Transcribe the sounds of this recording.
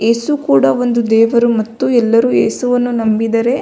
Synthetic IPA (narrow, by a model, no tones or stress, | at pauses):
eːsukuːɽɐo̞nd̪ud̪ɛːʋɐɾumɐt̪ːuɛlːɐɾuːḛːsuʋɐnːunɐmbid̪ɐɾe̞